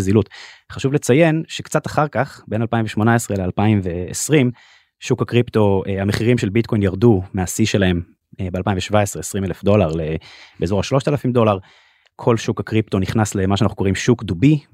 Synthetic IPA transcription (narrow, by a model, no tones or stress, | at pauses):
zilutχaʃuvle̞t͡saje̞nʃekt͡sat̪aχaʁkaχbe̞nalpaimveʃmo̞naesʁelealpaimveːsʁim | ʃukakʁipt̪o̞ehameχiʁimʃelbit̪kʰo̞jnjaʁd̪umeasiʃe̞lae̞m | bealpaĩɱveʃvae̞sʁeesʁimelefd̪o̞laʁlebeezo̞ʁaʃlo̞ʃt̪alafimd̪o̞laʁ | kʰo̞lʃukakʁipt̪o̞niχnasle̞maʃanaχuko̞ʁimʃukd̪ubi